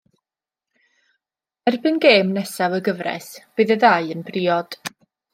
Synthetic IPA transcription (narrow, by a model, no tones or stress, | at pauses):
ɛrbɨnɡeːmnɛsawəɡəvrɛ̰sb̥ɨðəðaɨənb̥riːɔd̥